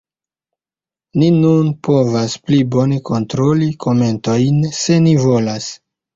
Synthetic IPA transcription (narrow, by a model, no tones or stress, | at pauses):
ninunpo̞vasplibo̞ne̞ko̞ntɾo̞likʰo̞me̞nto̞jnse̞nivo̞las